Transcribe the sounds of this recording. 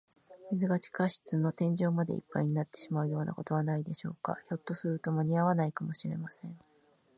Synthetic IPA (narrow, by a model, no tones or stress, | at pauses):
mʲizɨɡat͡ɕi̥kaɕi̥t͡sɨno̞t̪ẽ̞ɲ̟d͡ʑo̞ːmad̪e̞̰ḭpːaiɲ̟inat̪ːe̥ɕimaɯ̟jo̞ːnʔa̰ko̞t̪o̞βanaid̪e̞ɕo̞ːka̰ço̞t̪ːo̞sɨɾɯ̟t̪o̞maɲ̟iaβanaikamo̞ɕiɾe̞masẽ̞ŋ